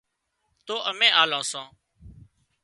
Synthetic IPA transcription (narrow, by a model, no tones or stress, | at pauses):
t̪oːʔəmẽːʔaːlãːsãː